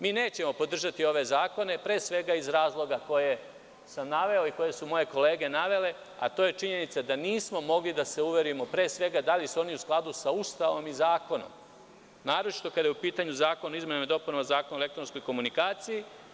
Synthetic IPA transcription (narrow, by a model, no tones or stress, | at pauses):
miːne̞ːt͡ɕe̞mo̞po̞d̪r̩ʒat̪io̞ʋe̞zaːko̞ne̞pɾe̞ːsʋe̞ɡaizɾaːzlˠo̞ɡako̞je̞ | samnaʋe̞oiko̞je̞sumo̞je̞ko̞le̞ːɡe̞naʋe̞le̞ | a̰t̪oje̞t͡ʃiɲe̞nit̪sad̪aniːsmo̞mo̞ɡlid̪ase̞uʋe̞ɾuje̞mo̞pɾe̞ːsʋe̞ɡad̪alisuo̞niusklˠad̪usaust̪aʋo̞mizaːko̞no̰m | naːɾot͡ʃi̥t̪o̞kad̪ajupiːt̪aɲuzaːko̞naizmenemed̪o̞punoozaːkonaelek̚t̪ɾo̞nskojko̞munikaːt̪siji